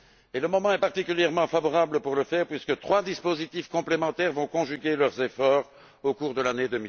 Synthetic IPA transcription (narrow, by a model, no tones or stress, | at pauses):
eləmɔmɑ̃ɛpaʁt̪ikʲyljɛʁmɑ̃favɔʁabləpuʁləfɛːʁpɥiskət̪χwad̪ispozit̪ifkɔ̃plemɑ̃t̪ɛʁvɔ̃kɔ̃ʒyɡʲelœʁzefɔʁ | okuʁd̪əlaned̪ømi